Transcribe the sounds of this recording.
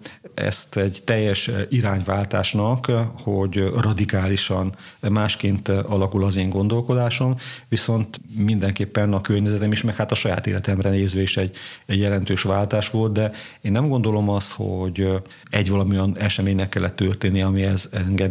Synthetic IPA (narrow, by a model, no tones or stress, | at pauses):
ɛ̰st̪ɛɟt̪ɛjːɛʃiɾaːɲvaːlt̪aːʃnɒkho̞ɟrɒd̪ikaːliʃɒn | maːʃkeːnt̪ɒlɒkulɒzeːŋɡo̞nd̪o̞lko̞d̪aːʃo̞mʋiso̞nt̪mind̪ɛŋkeːpːɛnɒkørɲɛzɛt̪ɛmiʃmɛkhat̪ɒʃɒja̰ːt̪ḛːlɛt̪ɛmrɛneːzʋeiʃɛɟːɛɟjɛlɛnt̪øːʃʋaːlt̪aːʃʋo̞lt̪̚d̪ɛ | eːnːɛmɡo̞nd̪o̞lo̞mɒst̪ho̰ɟ | ɛɟʋɒlɒmiojɒnɛʃɛmeːɲnɛkːɛlːɛt̪ːørt̪eːnːiɛɒmiɛzɛŋɡɛm